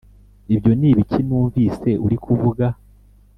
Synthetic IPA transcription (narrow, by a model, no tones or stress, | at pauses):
ibjo̞niːβicʰinuːɱviːse̞ʔuɾikʰuvuɡa